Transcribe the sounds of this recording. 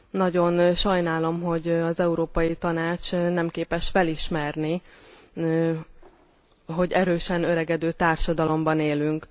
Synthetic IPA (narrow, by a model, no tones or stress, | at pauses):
nɒɟo̞nʃɒjnaːlo̞mɦo̞ɟɒzɛuɾoːpɒjit̪ɒnaːt͡ʃnɛmkeːpɛʃfɛliʃmɛrni | ɦo̞ɟɛɾøːʃɛnøɾɛɡɛd̪øːt̪aːrʃɒd̪ɒlo̞mbɒneːlyŋk